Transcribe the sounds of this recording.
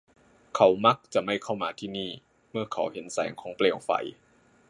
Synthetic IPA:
kʰa˨˦wma˧˦˥k̚t͡ɕa˨˩ma˥˩jkʰa˥˩wmaː˧t̪ʰiː˥˩niː˥˩ | mɯ˥˩ɐkʰa˨˩˦whe˨˩˦nsɛ̰ː˩˦ŋkʰɔː˩˦ŋpleː˧˩wfa̰˨˦j

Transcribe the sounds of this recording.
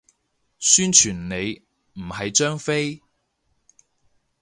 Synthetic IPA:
syː˥nt͡ʃʰyː˨˩nne˨˧j | m̩˨˩hɐ˨jt͡ʃœː˥ŋfe˥j

